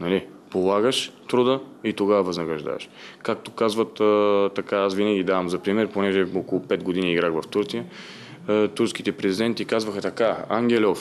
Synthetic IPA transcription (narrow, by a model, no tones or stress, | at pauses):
nɐli | polˠaɡəʃt̪ɾud̪əit̪oɡavəvɐznɐɡɾɐʒd̪a̰vɐ̰ʃkak̚t̪okazvət̪t̪ɐkaasvinəɡʲid̪avɐmzɐpɾimɛɾponɛʒɛokolˠʊpɛd̪̚ɡod̪iniːɡɾaxvɐft̪uɾt̪sijə | t̪uɾsk̟it̪ɛpɾɛzid̪ɛnt̪ikazvəxɐt̪ɐkaa̰ŋɡ̟ʲɛlʲɔf